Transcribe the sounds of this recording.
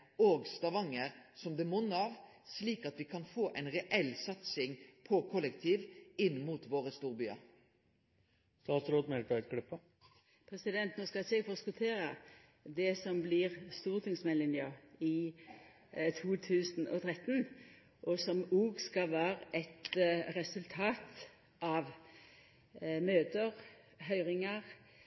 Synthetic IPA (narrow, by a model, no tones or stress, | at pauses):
oːɡst̪ɑʋɑŋːəʁsɔmd̪ɛmʊnːəɑːʋsliːkɑt̪ʋɪkʰɑnfoːʔɛɪnʁɛʔɛlsɑt̪sɪŋpʰɔkʰɔlːəkt̪ʰiːʋɪnːmuːt̪ʋoːʁəst̪uːʁbyːɑ̰ɾ | st̪ɑːt̪sɾoːd̪mɛlʈɑɪt̪kʰlʏpːə | pʰɾɛsɪd̪ɛnt̪noːskɑseːɡfɔskʊt̪ʰeːɾə | d̪ɛsɔmblɪʁst̪uːʁt̪ʰɪŋsmɛnlɪnjɑɪ | t̪ʰuːt̪ʰʉːsn̩ɔ̰t̪ʰʁɛt̪ːn | ʔɔsɔmuːɡskɑʋæːɾəʔɛt̪ɾɛsʉlt̪ʰɑːt̪ | ʔɑʋ | møːt̪əʁ | ɦœʏʁɪŋɑʁ